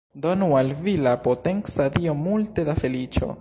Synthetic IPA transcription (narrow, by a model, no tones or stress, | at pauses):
donualvilapoteŋksadio̞multe̞dafe̞lit͡ʃo̞̰